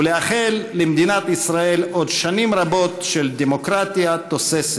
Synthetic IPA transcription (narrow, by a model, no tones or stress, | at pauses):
leaχelːemd̪inat̪isʁae̞lo̞d̪ʃanimɾabo̞t̪ʃeld̪emokʁat̪iat̪osese